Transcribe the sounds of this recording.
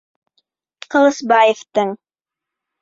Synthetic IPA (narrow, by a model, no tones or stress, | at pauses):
qʰɤ̆lˠɤsbɑjeft̪ɤɴ